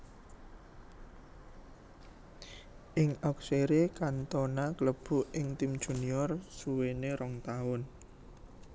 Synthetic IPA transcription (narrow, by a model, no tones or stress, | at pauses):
ʔɪŋɔk̚seɾekant̪ɔnakələb̥ṳʔɪŋt̪imd̥ʒ̥ṳniɔrsuweneɾɔŋt̪aʊn